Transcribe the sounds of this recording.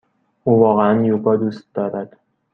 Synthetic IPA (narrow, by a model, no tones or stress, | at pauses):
ʔuːvɒːɣeænjubɒːd̪uːst̪̚d̪ɒːɾæd̪̥